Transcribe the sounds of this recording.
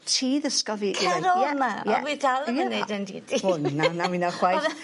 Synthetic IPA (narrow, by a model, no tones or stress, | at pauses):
tʰiːðəskɔviːkʰɛɾɔjɛmajɛwidalˠjɛnedəndḭːdiʊnːanawinaχwaj